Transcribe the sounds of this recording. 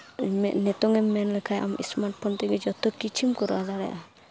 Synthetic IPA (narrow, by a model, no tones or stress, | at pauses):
nɛt̪ɔŋɛmːɛnlɛkʰajʔamḭsmaɾʈ̚pʰɔnt̪ɛɡɛd͡ʒɔt̪ɔkit͡ʃʰimkɔɾad͡ʒaɽɛ̰ʔa